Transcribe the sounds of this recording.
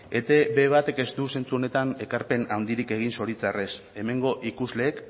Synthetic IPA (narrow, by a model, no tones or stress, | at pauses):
e̞t̪e̞βe̞β̞at̪e̞ke̞zt̪use̞nt͡suo̞ne̞t̪ane̞kaɾpe̞nawnd̪iɾike̞ɣ̞inso̞ɾit͡sare̞s | e̞me̞ŋɡo̞ʔikuzle̞ːk